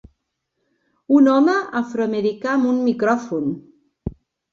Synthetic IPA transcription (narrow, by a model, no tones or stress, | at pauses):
unɔməʔafɾoameɾikaːmunmikɾɔfun